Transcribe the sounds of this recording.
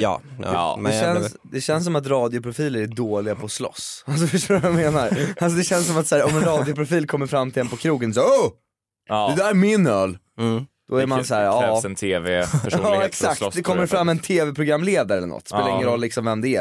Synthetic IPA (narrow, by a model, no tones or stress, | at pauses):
dɛɛns | d̪ɛɕɛns̬ːɔmat̪̬ɾɑːd̪ɪʊpʰɾʊfiːləɾæɖoːlɪɡapʰɔslɔ̰sals̬ɔfœʂoːɾajameːnaɾalsɔd̪ɛɕɛnsɔmat̪sæːɾɔmɛnɾɑːd̪ɪʊpʰɾʊfiːlkʰɔmːəɾfɾamːt̪ʰɪlɛnpɔkʰɾuːɡəns̬ɔo | d̪ɛd̪æɾmɪnœːl | d̪̥ɔæɾmansæːɾɑɾɛɛnt̪ʰeːvɛɑːɛksak̚td̪ɛkʰɔmːəɾfɾamːɛnt̪ʰeːvɛpʰɾʊɡɾamːleːd̪aɾɛlːə̰nɔ̰t̪ːsellaɪŋənɾɔlːɪksɔmvɛmd̪ɛæ